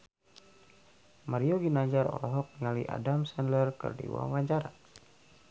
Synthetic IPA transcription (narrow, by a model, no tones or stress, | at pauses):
maɾiɔɡinaɲd͡ʒaɾɔ̰lɔɦɔk̚ŋaliʔa̰damsɛnlərkɨ̰rdḭwṵa̰ŋwaɲt͡ʃaɾa